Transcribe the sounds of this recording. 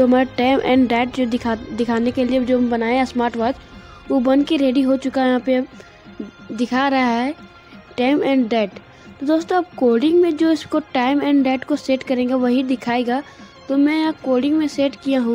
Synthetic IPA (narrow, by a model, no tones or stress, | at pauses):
d͡ʒoɦɐmaːɾaʈaːɪmʔɛ̰̃ːɳɖɖɛːʈd͡ʒod̪ɪd̪ɪkʰaːnekelied͡ʒoːmbɐnaːẽɦɛ̃smaːɾʈʋaːd͡ʒʋobɐnkeɾeːɖiɦot͡ʃʊkajɐɦãpe | d̪ɪkʰaɾɐɦaɦɛ | ʈaːɪmɛ̃ːɳɖɖɛːʈ | t̪od̪oːst̪õɐbkoːɾɖɪ̃ŋɡmẽd͡ʒoːɪskoʈaːɪmɛ̃ːɳɖɖɛːʈkoseːʈkɐɾẽːɡaʋɐɦid̪ɪkʰaːeɡaːt̪omɛ̃jɐɦãkoːɖɪ̃ŋɡmẽseːʈkijaɦũː